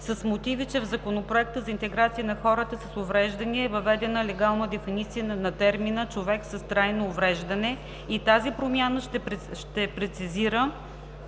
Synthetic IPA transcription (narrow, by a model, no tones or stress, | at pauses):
səsmot̪ivit͡ʃɛvzɐkonopɾoɛk̚t̪əzɐint̪ɛɡɾat̪siənɐxɔɾət̪əsəsʊvɾɛʒd̪ɐniɛɛvɐvɛd̪ɛnəlɛɡalˠnəd̪ɛfinit̪sijənɐt̪ɛɾminət͡ʃovɛksəst̪ɾajnoːvɾɛʒd̪ɐnɛ | it̪azipɾomʲjanəʃt̪ɛʃt̪ɛpɾɛt̪siziɾə